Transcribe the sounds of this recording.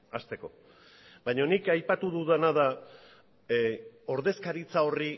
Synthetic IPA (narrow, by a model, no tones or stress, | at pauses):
ast̪e̞ko̞ | bajɲo̞nikajpat̪uðuðanaða | o̞ɾðe̞skaɾit͡sao̞ri